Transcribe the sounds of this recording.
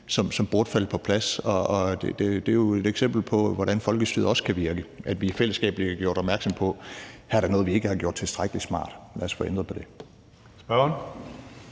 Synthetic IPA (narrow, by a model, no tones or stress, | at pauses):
sɒ̽msɒ̽mb̥o̝ɐd̥fæl̰pʰɒ̽pʰlæsɒ̽ɒd̥ed̥e̝d̥e̝jo̝e̝dɾ̥eɡ̥sem̰b̥l̩pʰɒ̽ʋɒɾænfɒ̽lɡ̥əsd̥y̰ðˠɐɒ̽sə̥kʰæʋiɐɡ̥əʔæd̥ʋifel̰əsɡ̥ɛ̰ːb̥əliæɡ̥jo̝ɐɾ̥ɒ̽b̥mæɐɡ̥sɒ̽mpʰɒ̽hæɐɾ̥ɑnɔːð̩ˠʋie̝ɡ̥əhɑ̈ɡ̥jo̝ɐd̥̚t͡sʰe̝lsd̥ʁaɡ̥əlismɑ̰̈ːd̥lʔæɐsfɒend̥ʁɐpʰɒ̽d̥e̝ | sb̥ɶɐn